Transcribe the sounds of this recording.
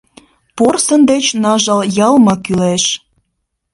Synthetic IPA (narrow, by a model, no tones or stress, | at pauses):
porsənd̪et͡ɕnɑʒɑljɑlmɑkyleʃ